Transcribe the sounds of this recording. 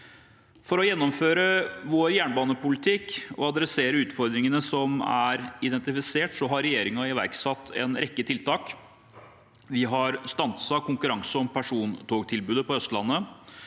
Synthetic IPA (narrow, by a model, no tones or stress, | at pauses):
fɔɾɔjɛnːɔmføːɾəʋoːɾjæːɳbɑːnəpʊlɪt̪ʰɪkɔ̰ɑd̪ɾɛseːɾəʉːt̪fɔɾd̪ɾɪŋənəsɔmæ̰ɾɪd̪ɛnt̪ɪfɪseːʈsɔɦɑɾɛjeːɾɪŋɑɪʋæ̰ɾksɑt̪ʰːɛ̰nɾɛkːət̪ʰɪlt̪ʰɑːk | ʋɪɦɑɾst̪ɑnt̪sɑkʰʊŋkʉɾɑŋsəɔmpʰæʂuːnt̪ʰoːɡt̪ʰɪlbʉːd̪əpɔœst̪lɑnːə